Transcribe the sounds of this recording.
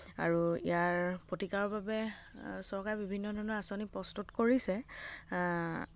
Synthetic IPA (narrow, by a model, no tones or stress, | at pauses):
a̰ɹuḭjaɹpotikaɹɔbabɛ | sɔɹkajbibʱinːɔdʱɔɹnɔɹasonipɹɔstutkoɹisɛ